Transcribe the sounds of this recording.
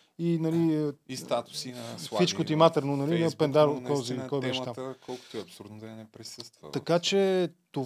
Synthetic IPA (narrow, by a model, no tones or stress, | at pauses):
inɐliəst̪at̪u̥siit͡ʃkot̪imat̪əɾnonɐlinɐpɛnd̪aɾokɔzilikɔjbɛʃɛt̪amkɔlˠkʊ̥t̪oiɐpsuɾd̪nɛpɾisəst̪vt̪ɐkat͡ʃɛt̪o